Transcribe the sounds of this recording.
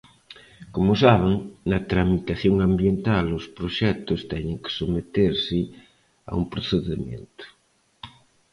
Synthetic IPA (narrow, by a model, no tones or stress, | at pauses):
komʊsaβ̞eŋnɐt̪ɾamit̪aθjoŋambjent̪alʊspɾoʃɛt̪ʊst̪ɛɲɪŋkɪ̥somet̪eɾsɪ | a̰umpɾoθeðemjḛnt̪ʊ̥